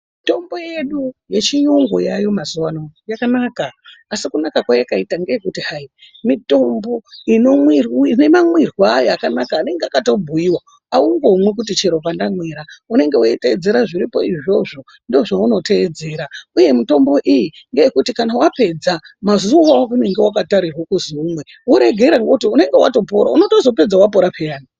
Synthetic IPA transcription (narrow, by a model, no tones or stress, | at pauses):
mito̞mbo̞je̞ɗuje̞t͡ʃiɲuŋɡo̰jajo̞mazuwanojakanakaːsikunakakwajekaitaŋɡe̞je̞kutihai | mito̞mbo̞ino̞mwine̞mamwirwajakanakaːne̞ŋɡeakato̞bʱujiwa | auŋɡomwek̬ut̬it͡ʃe̞ɾo̞p̬andamweɾaune̞ŋɡe̞woite̞ed͡ze̞ɾaʐiɾipo̞iʐo̞ʐo̞ | ndio̞ʐauno̞te̞ːd͡ze̞ːɾauje̞mito̞mbo̞ʔijiŋɡe̞jekutikanawape̞d͡zamazuaune̞ŋɡe̞wakataɾirwakuzuumwe | wo̞ɾe̞ɡʱe̞ɾaŋɡoutiune̞ŋɡe̞wa̰to̞po̞ɾa̰uno̞to̞zo̞pe̞d͡zawap̬o̞ɾapʰe̞aːni